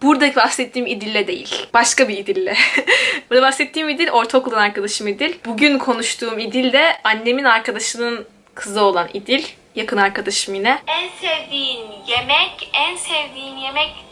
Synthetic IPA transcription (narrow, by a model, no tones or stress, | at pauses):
b̥uɾd̪abaxsɛt̪ʰːiːmid̪ilʲːɛd̪e̞jḭlʲb̥aʃkabiːd̪ilʲːɛbuɾd̪abaxsɛt̪ʰːiːmid̪ilʲo̞ɾt̪ʰoklˠanaɾkad̪aʃɯmid̪ilʲbuɟynkʰo̞nuʃt̪ʰuːmid̪ilʲd̪ɛanːe̞minaɾkad̪aʃɯnɯn | kʰɯzɯo̞lˠanid̪ilʲ | jakʰɯnaɾkʰad̪aʃɯminɛænsevd̪ijinjemɛcænsɛvd̪iːinjemɛc